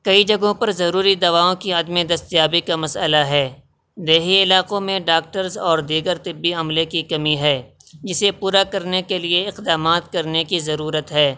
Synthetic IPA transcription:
kɐid͡ʒɐɡõpɐɾzɐɾuːɾid̪ɐʋaːõkiɐd̪mid̪ɐst̪jaːbikamɐsə̰laɦɛː | d̪eːɦiɪlaːqõmẽɖaːk̚ʈəɾzɔːɾd̪iːɡəɾt̪ɪbːiɐmlekikɐmiɦɛː | d͡ʒɪsepuːɾakɐɾnekelieɪqd̪aːmaːt̪kɐɾnekizɐɾuːɾət̪ɦɛː

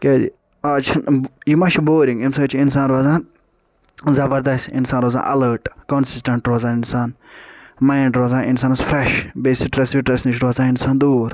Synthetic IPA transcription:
keːd̪ḭ | aːt͡ʃʰinjimɐʃʰiboːɾĩŋɡimsɐt͡ʃʰins̬aːnɾoːzaːn | zɐbɐɾd̪ɐsḭnsaːnɾoːza̰ːnʔɐ̰ləːɾʈkɔnsisʈɐ̃ɳʈɾoːzaːninsaːn | majɳɖɾoːzãːninsaːnizfɾɛʃbeːsiʈɾɐsʋiʈɾɐsniʃ̬ɾoːzãːninsaːnd̪uːɾ

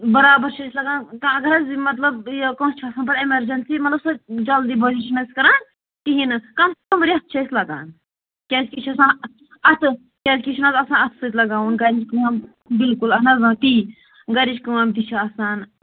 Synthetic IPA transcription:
bɐɾaːbɐɾt͡ʃʰɐjsʲlɐɡaːnkɐ̃ɐɡɐɾɐzmɐt̪lɐbjkõːst͡ʃʰɐsaːnp̬ɐɾemɐɾd͡ʒɐnsimɐt̪lɐbsɐd͡ʒɐld̪iːbɐd͡ʒiʃnɐsʲkɐɾaːn | t̪iɦinɨkɐmkɐmbɐɾiɐt̪̚ʰt͡ʃʰɐsʲlɐɡa̰ːn | kʲɛːt͡ʃkʲit͡ʃʰɐsãːn | ɐt̪ʰ | kʲɛːzkʲit͡ʃʰinazɐsãːnɐt̪ʰsɨt̪ʲlɐɡaːwunɡɐɾid͡ʒkɨaːn | bilkulɐnɐzãːt̪i | ɡɐɾid͡ʒkɨwaːmd̪it͡ʃʰaɐsaːn

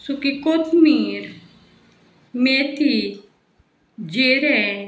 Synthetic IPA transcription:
sukikot̪miːɾ | met̪ʰi | d͡ʒeɾɛ

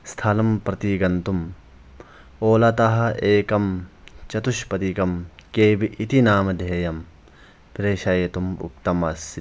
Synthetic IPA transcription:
st̪ʰɐlɐmpɾɐt̪iɡɐnt̪um | oːlɐt̪ɐɦɐ̆ʔeːkɐmt͡ʃɐt̪uʃpɐt̪ikɐmkeːbiʔit̪inaːmɐd̪ʱeːjɐm | pɾeːʃɐjɐt̪umṵkt̪ɐmɐs

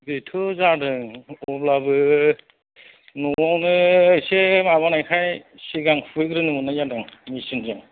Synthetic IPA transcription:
bitʰɯzadɯŋɔblabɯ | nɔawnɯsemaβanajkʰaj | siɡaŋpʰueɡɾɯnɯɔnajadaŋmisɯnzaŋ

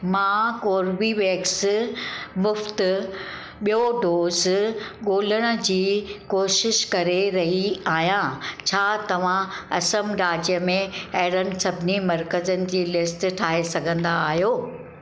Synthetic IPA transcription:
mãːkoːɾʋiʋeːks | mʊft̪ | ɓijoɖoːzɠoːləɽ̃ə̆d͡ʑiːkoːʃɪʃkɐɾeɾɐɦiaːɦjãt͡ɕʰaːt̪ɐʋ̤ãɐsəmɾaːd͡ʑijəmẽɐɦɾənɪ̆sɐbʱnimɐɾkəzənɪ̆d͡ʑiːlɪsʈʈʰaːɦesɐɡʱə̃nd̪aːɦijoː

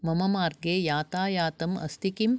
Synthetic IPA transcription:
mɐmɐmaːɾɡeːjaːt̪aːjaːt̪ɐmɐ̰st̪ikim

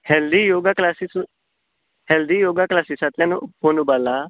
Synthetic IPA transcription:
hɛld̪ijoːɡaklasis | hɛld̪ijoːɡaklaːsisat̪ãnũpoːnubaːlaː

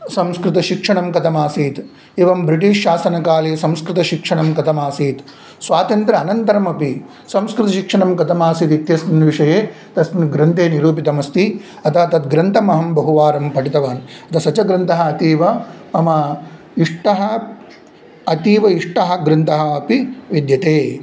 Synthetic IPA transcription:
sɐmskɾɪt̪ɐʃikʂɐɳɐmkɐt̪ʰɐmaːsiːt̪ | eʋɐmbɾiʈiːʃʃaːsɐnɐkaːleːsɐmskɾɪt̪ɐʃikʂɐɳɐmkɐt̪ɐmaːsiːt̪ | sʋaːt̪ɐnt̪ɾɐːnɐnt̪ɐɾɐmɐpi | sɐmskɾɪt̪ɐʃikʂɐɳɐmkɐt̪ɐmaːsiːt̪it̪jɐsnɐnʋiʂɐjeː | t̪ɐsmɐnɡɾɐnt̪eːniɾuːp̬it̪ɐmɐst̪i | ɐt̪ʰaːt̪ɐt̪ɡɾɐnt̪ɐmɐɦɐmbɐɦuʋaːɾɐmpɐʈit̪ɐʋaːnɐt̪ɐsɐt͡ʃɐɡɾɐnt̪ɐɦɐ̆ːt̪iːʋɐːmɐ | iʂʈɐɦɐ̆ | ɐt̪iːʋɐiʂʈɐɦɐɡɾɐnt̪ɐɦɐ̆ɐpiʋid̪jɐt̪eː

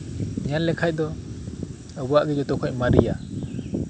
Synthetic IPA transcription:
nijanlɛkʰaj̚d̪ɔ | əbuaʔɡɛd͡ʒɔt̪ɔkʰɔʔ̚maɾija

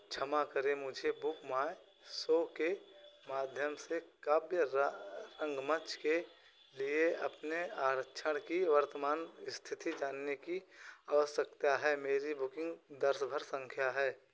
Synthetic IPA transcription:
t͡ʃʰəmakəɾemʊd͡ʒʱebʊkmaːe | soːkemaːd̪ʱjəmsekaːbjəɾə̃ŋɡmət͡ʃʰke | lieɐpneaːɾəkʃʰəɽ̃kiʋəɾt̪əmaːnɪst̪ʰɪt̪id͡ʒaːnːekiaːʋəsəkt̪aɦɛːmeːɾibʊkɪ̃ŋɡd̪əɾsbʱəɾsə̃ŋkʰjaɦɛː

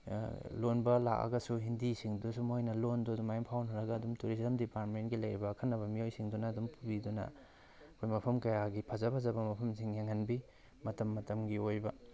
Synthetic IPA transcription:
lonbɐla̰kɐ̰ɡɐsuɦindisiŋdusumojnɐlondudumajmpʰawnɐɾɐɡɐdumtuɾiszɐmdipaɾtmentɡilɐjɾibɐkʰɐnːɐβɐmiojsiŋdunɐːdumpʰubidunɐ̰ | ɐkʰojmɐpʰɐmkɐjaɡipʰɐzɐpʰɐzɐbɐmɐpʰɐmsiŋjeŋɐnbi | mɐtɐmːɐtɐmɡiojbɐ

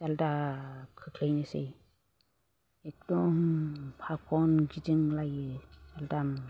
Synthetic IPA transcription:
saldakʰɯkʰlajnɯsḛj | ek̚d̥ɔmpʰak̚ʰɔnɡidɯŋlajɯd͡ʒaldam

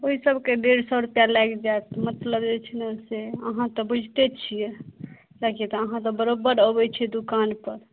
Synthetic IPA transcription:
oɦisəbked̪eɾsɔɾupjalakd͡ʒat̪mət̪ləbd͡ʒet͡ʃʰnɛseəɦãt̪ɔbud͡ʒʱt̪et͡ʃʰijɛ | d͡ʒakijɛt̪ɔəɦãt̪ɔbəɾobəɾəbɛt͡ʃʰɛd̪ukanpəɾ

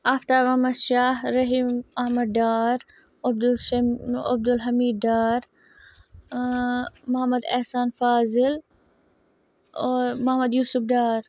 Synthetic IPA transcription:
aːft̪aːɾmɐhmɐd̪ʃaːɦɾɐɦiːmɐhmɐd̪̚ːaːɾ | ɐb̚d̪ | ɐ̰b̚d̪ulɦɐmiːd̪daːɾ | mʊɦɐmɐd̪ɐhsaːnfaːzɪl | oːɾmɐhmɐd̪juːsʊfɖaːɾ

